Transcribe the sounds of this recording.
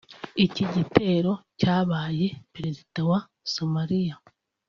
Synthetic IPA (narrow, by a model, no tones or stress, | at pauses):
iciɟite̞ːɾo̞caːβaːje̞peɾezitawa | somaɾija